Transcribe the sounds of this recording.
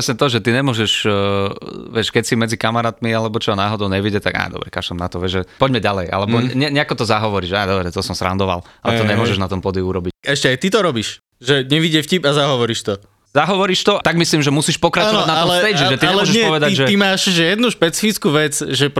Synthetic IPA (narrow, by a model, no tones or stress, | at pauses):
ɾɛsɲɛt̪ɔʒɛt̪iɲɛmʊɔʒɛʃ | ʋɛʃkɛcsimɛd͡zikamaɾaːt̪mialɛbɔt͡ʃɔnaːɦɔd̪ɔʊɲɛʋiɟɛt̪aɡa̰jd̪ɔ̰bɾɛka̰ʒd̪ɔmna̰t̪ɔʋɛʒʒɛpɔɟmɛɟalɛjʔa̰lɛbɔɲɛɲɛakɔt̪ɔzaɦɔʋɔɾiːʃad̪ɔbɾɛt̪ɔsɔmsɾa̰nd̪ɔʋa̰lalɛtt̪ɔɲɛmʊɔʒɛʒnat̪ɔmpɔd̪iuɾɔbicɛʃcɛajt̪it̪ɔɾɔbiʃ | ʒɛɲɛʋiɟɛfcibazaɦɔʋɔɾiʃt̪ɔ | zaɦɔʋɔɾiʃt̪ɔt̪aɡmisliːmʒɛmusiːʃpɔkɾat͡ʃɔʋadnaɔmlsɛjʒɛʒɛt̪iɛlɔɔʒɛpɔʋɛd̪aʒɛimaːʃʒɛjɛd̪nuʃpɛt͡si̥fit͡skuʋɛt͡sʒɛp